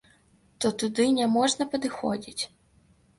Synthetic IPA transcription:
t̪ɔt̪ʊd̪ɪnʲɛmɔʐnɐpɔd̪ɪxɔ̰dʲitʲ

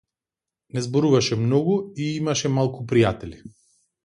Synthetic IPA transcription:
nɛzbɔɾuvaʃɛmnɔɡuiimaʃɛmalˠkupɾijat̪ɛli

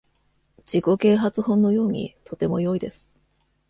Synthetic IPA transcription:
d͡ʑiko̞ke̞ːɦat͡sɨhõ̞nːo̞jo̞ːɲ̟ḭt̪ʰo̞t̪e̞mo̞jo̞id̪e̞sɨ̥

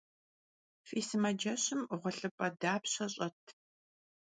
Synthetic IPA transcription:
fiːsɨmɐd͡ʒɐɕɨmʁʷɐɬʼɨpʼɐdaːpɕɐɕʼɐtʰ

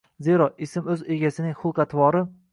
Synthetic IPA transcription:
ze̞ɾɒɪsɪmɵze̞ɡʲasɪnɪŋχʊlˠqɑt̪ʰvɒɾɪ

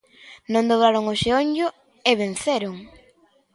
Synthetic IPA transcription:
nõnd̪oβɾaɾʊŋoʃeoɲʊ | eβen̟θeɾʊŋ

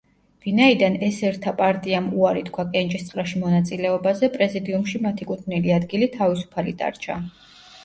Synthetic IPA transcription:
vinaid̪anɛsɛɾt̪ʰapʼaɾt̪ʼiamuaɾit̪ʰkʰwakʼɛnt͡ʃʼist̪sqʼɾaʃimɔnat̪sʼilɛɔbazɛpʼɾɛzid̪iumʃimat̪ʰikʼut̪ʰniliad̪ɡilit̪ʰavisu̥pʰalḭd̪ʼa̰ɾt͡ʃʰa̰

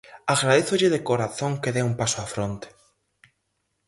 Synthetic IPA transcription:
aɣɾaðeθoʎɪðekoɾaθõŋkeðeumpasoafɾõnt̪e̥

